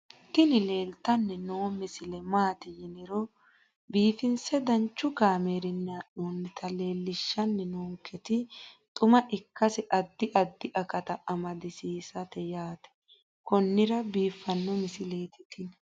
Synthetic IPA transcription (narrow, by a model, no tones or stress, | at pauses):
t̪ːɪnɪle̞ːlt̪ɐnːɛnoːmɪsɪlɛmaːt̪ɪjɪnɪɾɔ | biːfɪnsɛd̪ɐnt͡ʃːʊɡaːmeːɾɪnːaːʔoːnːɪt̪ʰɐle̞ːlːɪʃːɐnːɪnoːŋkːɛt̪ɪt̪ʼʊmɐʔɪkːɐsɪʔɐd̪ːɪʔɐd̪ːɪʔɐkʼɐt̪ɐʔɐmɐd̪ɪsiːsɐt̪ɛjaːt̪ɛ̥ | kɔnːɪɾɐbiːfːɐnːɔmɪsɪle̞ːt̪ɪt̪ɪn